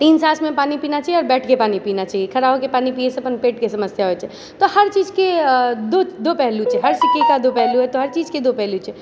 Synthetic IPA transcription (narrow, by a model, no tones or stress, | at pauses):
t̪iːnsaːsʰmẽpaːnipiːnat͡ʃaːɦiɔːɾbɛːʈʰkepaːnipiːnat͡ʃaːiekʰɐɾaːɦokepaːnipiːeseɐpənpeːʈkesɐməsjaɦoɛt͡ʃʰɛ | t̪ohɐɾt͡ʃiːd͡ʒked̪od̪oːpɛɦlut͡ʃʰɛɦɐɾsɪkikad̪opɛɦluɦɛt̪oɦɐɾt͡ʃiːd͡ʒked̪opɛɦlut͡ʃʰɛ